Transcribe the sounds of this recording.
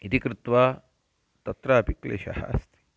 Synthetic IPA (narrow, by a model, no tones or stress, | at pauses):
it̪ikɾɪt̪ʋaː | t̪ɐt̪ɾaːpiklḛːʃɐ̰ha̰ːst̪ʰi̥